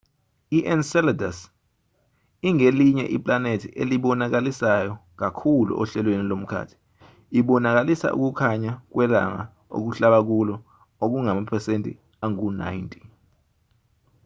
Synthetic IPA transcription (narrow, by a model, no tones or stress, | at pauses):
iʔɛnsɛladas | iŋeliɲɛ̰ʔipʼlanetʰiʔeliɓɔnak̬alisajɔk̬akʰulṵʔɔ̰ɬɛlwenilom̩kʰa̰ːtʰi̥ | iɓɔnak̬alisa̰ʔṵk̬ukʰaɲak̬wɛla̰ŋa̰ | o̰k̬uɬaɓak̬ulɔ | ok̬uŋamapʰɛsentʼḭ | aŋuna̰intʼi̥